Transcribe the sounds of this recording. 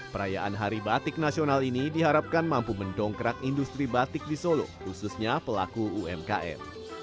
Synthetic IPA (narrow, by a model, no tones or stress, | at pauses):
pəɾajaʔanɦaɾibat̪ɪk̚nasionalinidiɦaɾap̚kanmampuməndɔŋkəɾakindust̪ɾibat̪ɪk̚disolo̰hususɲapəla̰kuuɛmkaʔɛ̰m